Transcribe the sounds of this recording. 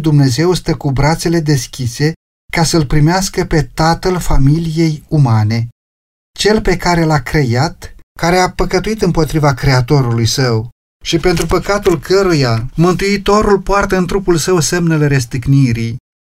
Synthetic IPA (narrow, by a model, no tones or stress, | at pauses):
d̪umne̞ze̞wst̪əkubɾat̪se̞le̞d̪e̞skʲise̞ | kasəlpɾimeaskəpe̞t̪at̪əlfamilije̞jumane̞ | t͡ʃe̞lpe̞kaɾe̞lakɾe̞jat̪kaɾe̞apəkət̪uit̪ɨmpo̞t̪ɾivakɾe̞at̪o̞ɾulujsəw | ʃipe̞n̪t̪ɾupəkat̪ulkʰəɾujamɨnt̪uit̪o̞ɾulpoart̪əɨnt̪ɾupulsəwsemnelɾes̬t̪ɨkniɾij